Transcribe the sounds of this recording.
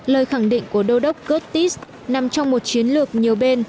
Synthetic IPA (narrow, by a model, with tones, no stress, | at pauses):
ləː˨˩jxa˧˩ŋɗḭ̈˧˨ŋ̟ku˧˩əɗə˧wɗə˦˥wk͡p̚ɣə˦˥t̚t̪i˦˥s | na˨˩mt͡ɕɔ˧wŋ͡mmo˨˩t̚t͡ɕi˨˦ənlɨ˨˩ək̚ɲi˨˩əwɓe˧n